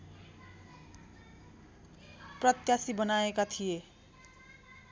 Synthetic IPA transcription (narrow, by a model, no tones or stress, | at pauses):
prʌt̪jasibʌnaekat̪ʰije